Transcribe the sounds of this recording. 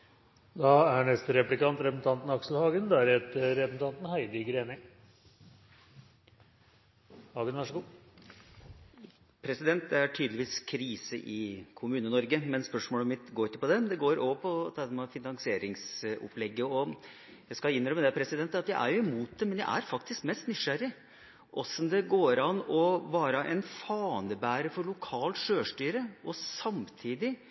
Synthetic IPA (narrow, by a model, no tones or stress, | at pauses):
d̪ɑæɳɛst̪əɾɛplɪkɑnt̪ɾɛpəsn̩t̪ʰɑnt̪nɑksl̩hɑːɡənd̪ɑæɾhet̪əɾɾɛpəsn̩t̪ɑnt̪n̩hæɪd̪ɪɡɾeːnə | hɑːɡənʋæʂəɡuː | pʰɾɛsɪd̪ɛnt̪̚d̪ɛæʈʰyːd̪əlɪʋiːskʰɾiːsəʔɪkʰʊmʉːnənɔɾɡəmɛnspœʂmoːləmɪt̪ɡoːɾɪkːəpɔd̪ɛd̪ɛɡoːɾoːʋəpʰɔt̪ʰɑːd̪ɛmɑfɪnɑŋsɪeːɾɪŋsʊ̰plɛɡːəɔ | jæɪskɑɪnːɾœməd̪ɛpʰɾɛsɪd̪ɛnt̪ːəɑt̪jæɪʔæ̰ɾjʊɪmuːt̪̚d̪ɛmɛnjæɪʔæ̰ɾfɑkt̪ɪskmɛst̪nyʂæɾːɪ | ʔɔsːɔmd̪ɛɡoːɾɑnɔʋɑːɾəʔɛnfɑːnəbæːɾəfɔɾɭʊkʰɑːlt̪ʂøːʂʈyːɾəʔɔsɑmt̪ʰiːd̪ɪ